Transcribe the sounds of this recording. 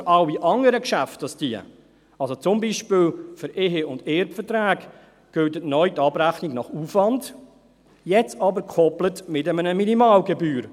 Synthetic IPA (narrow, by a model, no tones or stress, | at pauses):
ɾɑwiʔɑŋəɾəkʃæftɑsd̥iə̰ | ɑlsot͡sʊmbiʃpɪːlfʏɾeɦeʊndeɾpfərtɾæːɡ | ɡ̥ʏldətnœʏtɑbɾæχniɡnɑχufvɑnd | jɛt͡sɑbəɾkʰɔplətmɪtəmənəminimɑːlɡebyːɾ